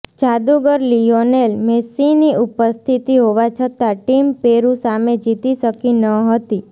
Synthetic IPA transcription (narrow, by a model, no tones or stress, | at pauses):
t͡ʃad̪uɡəɾlionelmesiniupəst̪ʰit̪iɦoʋat͡ʃʰət̪aʈimpeɾũsamed͡ʒit̪iʃəkinəɦət̪i